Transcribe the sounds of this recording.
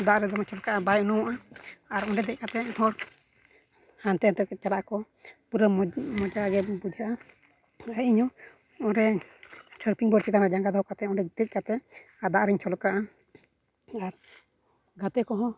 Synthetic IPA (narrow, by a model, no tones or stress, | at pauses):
d̪aʔɾɛd̪ɔmɔt͡ʃɔlkaʔabajunɔwaʔaaɾɔɳɖɛd̪ɛc̚kat̪ɛhɔɽ | hant̪ɛnt̪ɛɛt͡ʃalaʔkɔ | buɾəmɔd͡ʒaɡɛbud͡ʒʱaʔa | aiɲɔ | ɔɾɛ | səɾpʰiŋbɔɾt͡ʃit̪anad͡ʒaŋɡad̪ɔɦɔkat̪ɛɔɳɖɛd̪ɛc̚kat̪ɛ | aɾd̪aʔɾɛɲt͡ʃʰɔlkaʔa | aɾ | ɡat̪ɛkɔɦɔ̃